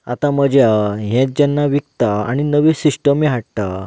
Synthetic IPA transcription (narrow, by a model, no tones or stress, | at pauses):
at̪ãməd͡ʑʱjaɦɛ̃t̪̚d͡ʑanːaʋikt̪aa̰ɽ̃inəʋesiʂʈəmiɦaʈt̪a